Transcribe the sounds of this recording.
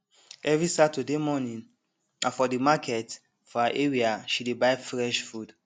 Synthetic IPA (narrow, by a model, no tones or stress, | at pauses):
ɛvɹisatudemɔnĩn | afɔdimakʰɛt | fɔaʔɛɹiaʃidebaɪfɹɛʃfud